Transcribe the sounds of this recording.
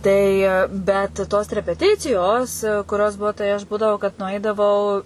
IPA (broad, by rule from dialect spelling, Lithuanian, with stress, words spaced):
ˈtɐɪ ˈbʲɛt toːs rʲɛpʲɛˈtʲɪt͡sʲɪjoːs kʊˈrʲoːs ˈbuɔ tɐɪ ɐʃ ˈbuːdɐʋoː kɐt nʊˈɐɪdɐʋɐʊ